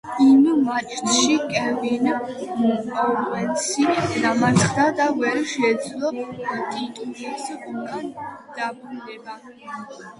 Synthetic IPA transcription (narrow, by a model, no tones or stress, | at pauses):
immat͡ʃʰʼt̪ʰʃikʼɛvin | ɔkʼɛnsʰinamaɾt̪ʰd̪ad̪avɛɾʃɛd̪zlˠɔt̪ʼit̪ʼuɾisbuɡand̪̥abɾud̪ɛba